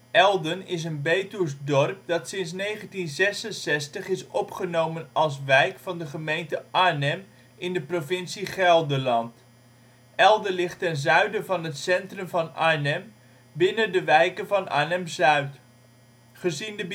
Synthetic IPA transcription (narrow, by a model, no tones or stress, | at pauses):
ɛlˠdənɪs̬ənbejtuɹsdɔrk̚dɑtsɪns̬nejχəntinzɛsənsɛstəχɪsɔpχənowmənɑlˠs̬ʋɛjkfɑndəχəmejntəʔanɛm | ɪndəprovɪnsiχɛlˠdəlɑnt | ɛlˠdəlɪχtɛnzœɥdəvɑnɦətsɛntrɵmvɑnanɛm | bɪnəndəʋɛjkənvɑna̰ːnɛmzœɥt | χəzində